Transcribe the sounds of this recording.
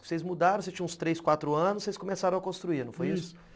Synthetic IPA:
sejzmud̪aɾɐ̃sest͡ʃĩɐ̃ũst̪ɾejskwat̪ɾʊɐ̃nʊssejskõmesaɾɐ̃w̃ɐkõst̪ɾuiɾnɐ̃w̃fojesʊ

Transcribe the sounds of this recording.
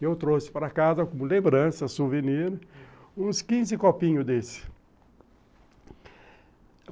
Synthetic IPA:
kɪewt̪ɾosɪ̥paɾɐkazɐkõmʊlẽmbɾɐ̃sɐsuvenĩnʊũskĩzɪkopĩɲʊd̪esɪ̥

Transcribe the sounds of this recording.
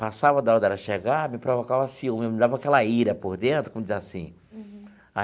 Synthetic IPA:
pasavɐd̪aɔ̃d̪ɛɾɐʃeɡaɾmɪpɾovokavasĩũmemd̪avɐakɛlɐiɾɐpoɾd̪ẽnd̪ʊkõmʊd͡ʒizasĩ | a

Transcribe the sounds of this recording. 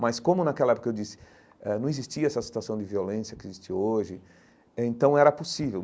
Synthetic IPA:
mɐskõmʊnakɛlɐɛpo̥kɐewd͡ʒisɪ̥ | ɛnɐ̃w̃ɪzist͡ʃiɐɛsɐsi̥t̪uasɐ̃w̃d͡ʒɪviolẽsjɐkɪizist͡ʃioʒɪ | ẽnt̪ɐ̃w̃ɛɾɐposivew

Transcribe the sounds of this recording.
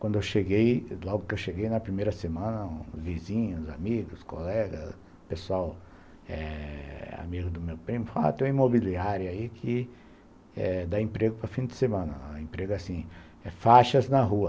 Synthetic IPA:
kwɐ̃nd̪ʊewʃeɡejlɔɡʊkɪewʃeɡejnɐpɾimejɾɐsemɐ̃nɐũzvizĩɲʊza̰miɡʊsko̰lɛɡɐ̰s | pesuaw | ɛ̰ | a̰miɡʊd̪ʊmewpɾĩmʊfala̰t̪ẽj̃w̃imobiliaɾjʊaikʰɪ | ɛd̪aẽpɾeɡʊpɾɐfĩd̪ɪsemɐ̃nɐ̰ẽpɾeɡʊasĩ | ɛfaʃɐznɐɦuɐ

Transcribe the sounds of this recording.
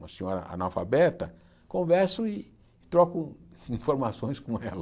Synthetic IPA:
ɐsẽɲoɾɐ̰a̰nawfabɛt̪ɐ | kõvɛɾsʊɪ | t̪ɾɔkʊ | ĩfoɾmasõj̃skõɛlɐ

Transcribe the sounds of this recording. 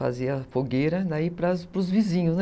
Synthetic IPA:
a̰ziɐfoɡejɾɐd̪aipɾɐspɾʊzvizĩɲʊsn

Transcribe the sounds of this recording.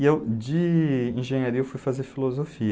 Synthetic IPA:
ewd͡ʒɪĩʒẽɲaɾiɐewfujfazeɾfilozofi

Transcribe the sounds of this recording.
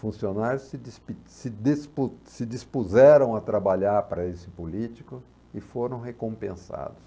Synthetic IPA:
fũsionaɾjʊsɪd̪ispisɪd̪espusɪd͡ʒ̪ispuzɛɾɐ̃w̃at̪ɾabaʎaɾpaɾɐesɪ̥pulit͡ʃi̥kʊ | ɪfoɾɐ̃w̃ɦekõpẽsa̰d̪ʊs

